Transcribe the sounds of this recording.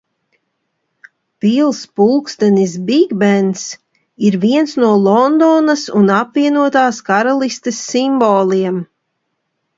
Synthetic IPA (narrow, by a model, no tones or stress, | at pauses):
pilˠspulˠkst̪ɛnisbiɡbɛns | iɾviɛnsnuɔlˠɔnd̪ɔnasunapviɛnuɔt̪aːskaɾalˠist̪esːimbɔːlˠiɛm